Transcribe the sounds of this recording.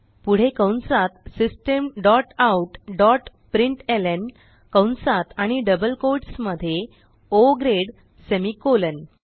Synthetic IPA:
puɽ̤ekəwnsat̪sisʈemɖɔʈauʈɖɔʈpɾiɳʈelen | kə̃wnsat̪aɽ̃iɖəbəlkoʈsməd̪ʱːje | oɡɾeɽ | semikolən

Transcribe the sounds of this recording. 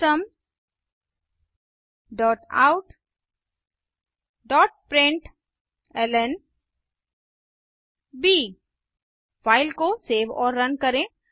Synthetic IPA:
əm | ɖɔːʈa̰ːʊʈ | ɖɔːʈ̚pɾẽɳʈ | ɛlɛn | biː | faːɪlkoseːʋɔːɾːɐnkɐɾẽ

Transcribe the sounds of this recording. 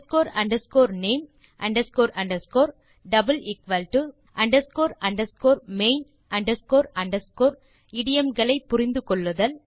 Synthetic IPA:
skoːɾɐɳɖɐɾskoːɾneːm | ʔɐɳɖɐskoːɾɐɳɖɐɾskoːɾ | ɖɐbɐlɪkʋɐlʈɯ | ʔɐɳɖɐɾskoːɾɐɳɖɐɾskoːɾmeɪn | ʔɐɳɖɐɾskoːɾɐɳɖɐskoːɾ | iɽɪjɛmɡɐɭɐɪpːʊɾɪnd̪ɯkɔɭːɯðɐl

